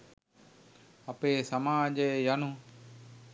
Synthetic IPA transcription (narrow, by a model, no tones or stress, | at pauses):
əpeːsəmaːd͡ʒejanu